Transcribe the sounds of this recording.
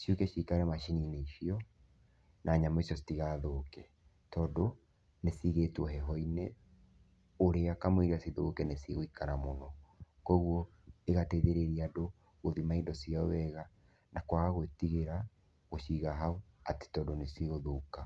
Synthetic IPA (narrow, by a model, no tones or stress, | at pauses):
ʃiukɛʃikaɾɛmaʃinineiʃiɔ | nʔaɲamaisijɔsi̥tiɣaðokɛ | tɔdo | nesiɣetwɔɦɛɦɔine | oɾeakamiɣasiðokɛnesiɣoikanamonɔkwɔɣwɔ | eɣateðeɾeɾiado | ɣoðimaidɔsiaɔwɛɣa | nakwaɣaɣowetiɣeɾa | ɣoʃiɣaɦao | ate̥tɔdonesiɣoðoka